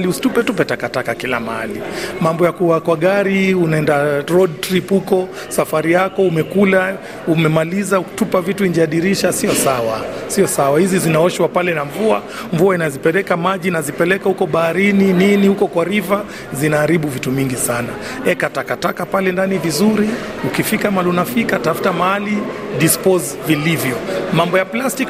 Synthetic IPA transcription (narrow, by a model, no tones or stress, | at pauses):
liusi̥tupɛtupɛtakatakakila̰maa̰limambɔjakuakwaɠaɾiunaɛndaɾɔɗtɾiphukɔ | safaɾijakɔumɛkula | umɛmalizauu̥tupavituiɲd͡ʒaɗiɾiʃasiɔsawasiɔsawahizizinaɔʃwapalɛnaɱvua | ɱvuainazipɛlɛkamaʄinazipɛlɛkahukɔɓaːɾinininihukɔkwaɾiva | zinaːɾiɓuvituviŋɡisana | ɛkatakatakapalɛndanivizuɾi | ukifikamalunafikatafu̥tamahali | ɗispɔz | vilivjɔmambɔjaplastik